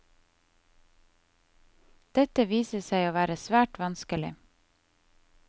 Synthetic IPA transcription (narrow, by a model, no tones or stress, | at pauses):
d̪̥ɛt̪əʋiːsəsæɪoːʋæːɾəsʋæːʈʋɑnskəlɪ̰